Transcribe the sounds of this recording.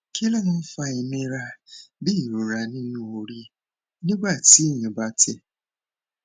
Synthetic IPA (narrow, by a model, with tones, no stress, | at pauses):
kʰi˦le˦n̩˦fa˧i˨mĩ˦ɾa˧bi˦i˨ɾo˨ɾa˨nĩ˦nũ˦o˨ɾi˦ | nĩ˦ɡ͡ba˦˨ti˨˦˨ɲẽ˨ba˦tʰe˦